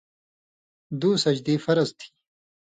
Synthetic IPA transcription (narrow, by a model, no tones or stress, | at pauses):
d̪uːsɐd͡ʑd̪iːfɐɾɐzt̪ʰi̥